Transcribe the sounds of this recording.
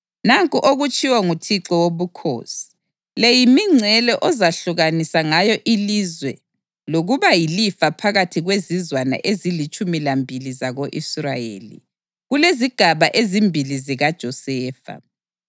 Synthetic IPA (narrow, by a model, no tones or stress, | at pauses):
naŋkʼuʔoɣut͡ʃʼiwaŋutʰiǁɔwoβukʰo̰ːsi̥ | lɛjimiŋ͡ǀʱɛlɛʔɔzaɬuɣanisaŋajɔʔilizwɛ | loɣuβajilifapʰaɣatʰiɣwezizwana̰ʔezilit͡ʃʼumilambʱilizaɣoʔisra̰jḛːlḭ | ɣuleziɡ̥ʱaβaʔezimbʱiliziɣad̥ʒ̥ʱɔsɛːfa̰